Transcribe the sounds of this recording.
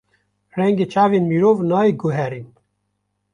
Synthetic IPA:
rɛŋɡeːt͡ʃaːveːnmiːɾoːvnɑːiːɡuɦɛɾin

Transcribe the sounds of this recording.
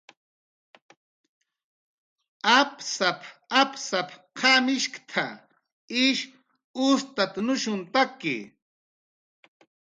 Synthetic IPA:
apsapapsapqʰɑmɪʃkt̪ʰa̰ | ɪʃ | ʊst̪at̪anʊʃʊnt̪akɪ̰

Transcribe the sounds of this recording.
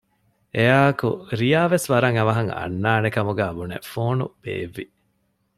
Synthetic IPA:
ejaːɐkṵɾijaːʋesʋɐɾɐŋɐʋɐɦɐŋɐ̰nːaːnekɐmuɡæːbunḛfoːnṵb̥ḛːʋːi

